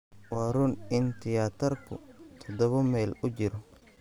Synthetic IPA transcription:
wɑːɾʊnɪnt̪ʰɪjaːt̪ʰɐrkʰʊ̰t̪ʰɔd̪ɔβɐmɛjlʊt͡ʃɪɾɔ

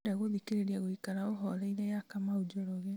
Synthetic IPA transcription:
ɾaɣoðikeɾeɾiaɣoikaɾaoɦɔlaiðɛjakamaud͡ʒɔɾɔɣe

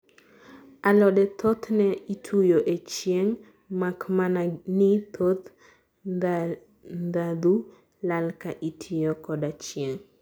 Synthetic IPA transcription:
alɔdɛt̪ʰɔt̪nɛitʰujoʔet͡ʃjeŋ | makmananit̪ʰot̪ | nd̪ad̪u | lalkaʔitʰijokɔdat͡ʃjeŋ

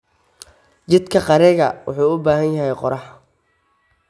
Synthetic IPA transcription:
t͡ʃɪd̪kʰɐqɑɾɛɣɐ̰wʊħuːʊbaːhɐnjɐɦɛjqɔɾɑħ

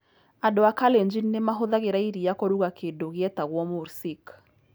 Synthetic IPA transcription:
adoakaleɲd͡ʒinːemaɦoðaɣeɾaiɾijakoɾuɣakʰendoɣeɛtaɣwɔmoɾsik

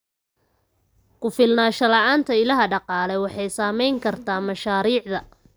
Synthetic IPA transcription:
kʰʊfɪlnaːʃɐlɑʕaːnt̪ʰɐɪlɐɦɐɖɑqɑːlɛwɑħɑjsaːmɛjŋkʰɐrt̪ʰaːmɐʃaːɾiːʕðɐ

